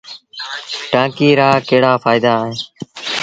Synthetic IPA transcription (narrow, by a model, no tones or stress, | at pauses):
ʈãːkiːɾaːkəɦɽaːfʰaːɪd̪aːɦẽː